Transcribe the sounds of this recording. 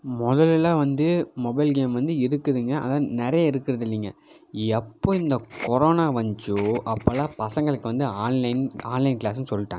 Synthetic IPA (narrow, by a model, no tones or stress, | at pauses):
mɔðɐlɪlaːʋɐnd̪ɯmɔbɐɪlɡeːmʋɐnd̪ɯɪɾɯkːɯðɯŋɡɐʔɐ̰ðãːnɪɾɐjɐɪɾɯkːɪɾɐðɪlːiːŋɡɐ̰ | ɛpːoːɪnd̪ɐkɔɾoːnaːʋɐɲd͡ʒuʔɐpːɐlaːpɐsɐŋɡɐɭɯkːɯʋɐnd̪ɯaːnlɐɪnaːnlɐɪnklaːsɯnsɔlːɪʈːaːŋɡɐ